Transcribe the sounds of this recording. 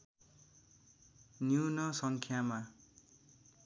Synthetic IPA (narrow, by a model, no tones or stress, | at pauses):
njunʌsʌŋkʰjama